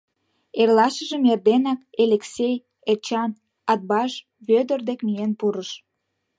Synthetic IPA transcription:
erlɑʃə̆ʒə̆merd̪enɑkeleksʲej | et͡ɕɑn | ɑd̪̚bɑʃ | βød̪ərd̪ekmienpuɾəʃ

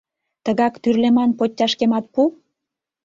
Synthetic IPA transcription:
t̪əɣɑkt̪yrlemɑnpotʲːɑʃkemɑt̪̚pu

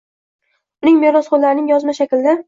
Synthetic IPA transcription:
ʊnɪŋmeɾɒsχolːaɾɪnɪŋjɒzmaʃakʲɪld̪a

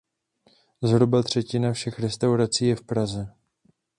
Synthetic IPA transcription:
zɦɾubat̪r̝̥ɛcɪnafʃɛxɾɛst̪awɾat͡siːjɛfpɾazɛ

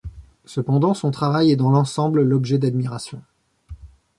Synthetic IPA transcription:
səpɑ̃d̪ɑ̃sɔ̃t̪χavajɛd̪ɑ̃lɑ̃sɑ̃bləlɔbʒɛd̪ad̪miʁasjɔ̃

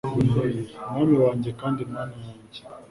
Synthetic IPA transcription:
naniwaɲd͡ʒɛkandinaniwaɲd͡ʒe

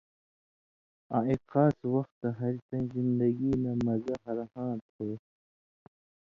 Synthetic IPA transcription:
ã̰ːexɑːswɐxt̪ːaɦɐɾit̪ɐnzind̪ɐɡinamɐzaɦɐɾhãːt̪hoː

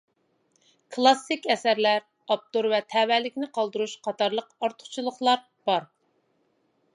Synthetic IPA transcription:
kʰlˠɑsːɪkʲɛsæɾlæɾ | ɑp̚t̪oɾvɛt̪ʰɛwɛlɪkʲnɪqʰɑlˠd̪ɨɾuʃqʰɑt̪ʰɑɾlˠəqɑɾt̪ʰʊ̥χt͡ʃʰilˠəχlˠɑɾ | b̥ɑɾ

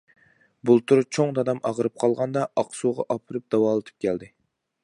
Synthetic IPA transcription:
bulˠt̪ʰuɾɨt͡ʃʰoŋd̪ɑd̪ɑmʔɑʁəɾɨp̚qʰɑlˠʁɑnd̪ɑɑqsuʁɑ̰ʔɑpʰɨɾɨp̚d̪̥ɑwɑːlˠɨt̪ʰɨ̥p̚kʲʰɛld̪ɪ

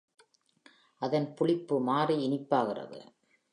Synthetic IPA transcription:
ʔɐðɐnpʊɭɪpːɯmaːriɪnɪpːaːɣɪrɐ̰ðɯ̰

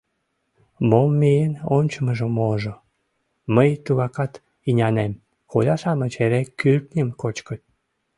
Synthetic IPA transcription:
momːejenonʲt͡ɕəməʒəmoʒo | məjt̪uɣɑkɑt̪ | inʲɑnem | xulʲɑʃɑmət͡ɕeɾekylt̪nʲəmkot͡ɕkət̪̚ʲ

